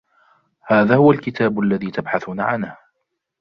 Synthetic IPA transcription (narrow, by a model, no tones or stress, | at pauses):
haːðaːhʊwalkɪt̪ʰaːbʊʔalːaðiːt̪abħaθʊnaʕa̰nh